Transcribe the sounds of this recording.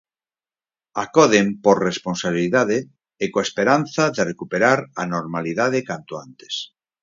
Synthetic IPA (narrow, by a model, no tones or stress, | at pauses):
akoðempoɾresponsaβ̞iliðaðeː | koespeɾan̟θaðerekupeɾaɾanoɾmaliðaðekant̪oant̪e̥s